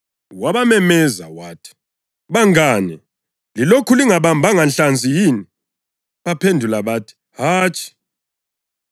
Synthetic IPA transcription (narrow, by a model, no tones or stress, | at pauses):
waβamɛmɛza̰waːtʰi̥ | βaŋaːnɛ | lilokʰuliŋaβambʱaŋanɬand͡zʱijiːni | βapʰendʱulaβaːtʰi̥ | haːt͡ʃʰʼi̥